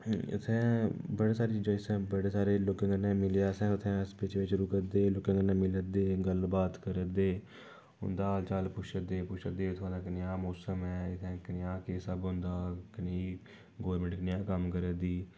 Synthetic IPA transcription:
t̪ʰɛ̃ːbəɽeːsaːɾeːt͡ʃiːd͡ʒaːɪsɛ̃ːbəɽeːsaːɾeːloːkẽːɡənɛ̃ːmɪleaːsɛ̃ːʊt̪ʰɛ̃ːəspɪt͡ʃʋɪt͡ʃɾuːkəd̪eːloːkẽːɡənɛ̃ːmɪləd̪eːɡəlbaːt̪kəɾəd̪eː | ɦʊ̰nd̪aːlt͡ʃaːlpʊʃəd̪eːpʊʃəd̪eːt̪ʰʊɦãːd̪aːkənjãːmoːsəmɛːɪt̪ʰɛ̃ːkənjãːkeːsəbɦʊ̃nd̪aːkənː | ɡoːəɾmə̃ɳʈkənɪjãːkəmkəɾəd̪iː

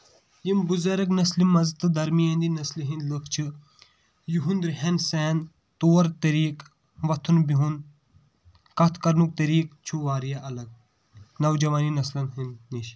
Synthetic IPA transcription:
jimbuzɐɾɐknɐslimːɐzt̪ːɨd̪ɐɾmijɐnd̪inɐsliɦĩnd̪lɨkʰt͡ʃʰɨ | juɦund̪ɾiɦensɛːn | t̪oːɐɾt̪ɐɾiːk | ʋɐt̪ʰunbiɦun | kɐt̪ʰkɐɾnuk̚t̪ɐɾiːk̚t͡ʃʰuʋaːɾjaʔɐlɐɡ̚ | nɐwd͡ʒɐʋaːninɐslɐnɦɨnniʃ

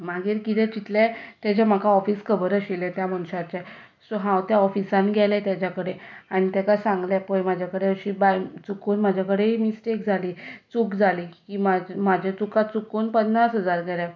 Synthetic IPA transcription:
maɡiːɾkit̪ʰɛ̃t͡ɕit̪lɛt̪ɛd͡ʑam̤əkaɔfiːskʰəbəɾəɕelɛt̪jaməñɕat͡ɕɛ | soɦãwt̪jaɔfisanɡʱɛlɛt̪jat͡ɕakəɽeaɽ̃it̪ɛkasãŋɡljapəjmad͡ʑʱakəɽeəɕiːbajt͡sukuːnm̤ad͡ʑʱjakəɽeimisʈekd͡zʱaliːt͡sukd͡zʱalikimamad͡ʑʱet͡sukat̪̚t͡sukonpənːasɦəd͡zaɾɡʱɛlɛ

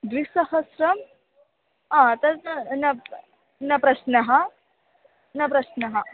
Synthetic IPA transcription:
d̪ɾisɐhɐsɾɐm | ãt̪ɐnɐ | nɐpɾɐɕnɐɦa | nɐpɾɐɕnɐɦa

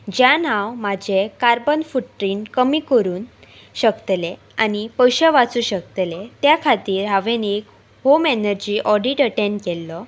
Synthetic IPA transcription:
d͡ʑjanãwmad͡ʑʱekaɾbənfuʈɾiːnkəmiːkəɾuːn | ɕəkt̪le | anipəjɕəʋat͡suːɕəkt̪let̪jakʰat̪iːɾɦaʋenek | homenəɾd͡ʑiːʔɔɖiʈəʈẽnkɛlːɔ

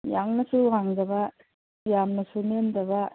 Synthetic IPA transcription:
jaŋnɐsuaŋdɐbɐ | jamnɐsunendɐbɐ

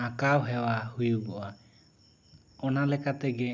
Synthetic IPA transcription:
akawɦɛwahujuɡɔa | ɔnalɛkat̪ɛɡɛ

